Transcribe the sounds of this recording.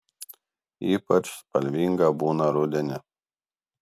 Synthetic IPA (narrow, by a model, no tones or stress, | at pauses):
iːpɐt͡ʃspɐlʲʋʲiːŋɡɐbuːnɐɾʊd̪ʲɛnʲɪ